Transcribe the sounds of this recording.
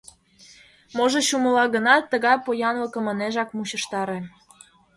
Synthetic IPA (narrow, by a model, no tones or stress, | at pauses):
moʒoɕuməlɑɣənɑt̪ːəɣɑjpojɑnlə̆kə̆mə̆neʒɑkmuɕə̆ʃt̪ɑɾĕ